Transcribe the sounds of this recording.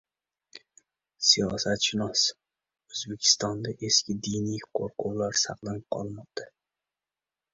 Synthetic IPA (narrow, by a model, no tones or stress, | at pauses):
sijɒsat̪ʃɪnɒs | ɵzbekʲʰɪ̥st̪ɒnd̪aʔe̞skʲɪd̪ijnijqʰo̰ɾqʰʊwlaɾsɑqlˠanɪp̚qʰɒ̰lˠmɒq̚t̪ʰa